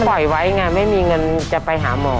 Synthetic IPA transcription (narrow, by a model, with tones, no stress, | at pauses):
ɔ˨˩jwa˦˥jŋa˧ma˥˩jmiː˧ŋɤ˧n˧t͡ɕa˨˩pa˧jɦaː˩˦mɔː˧˩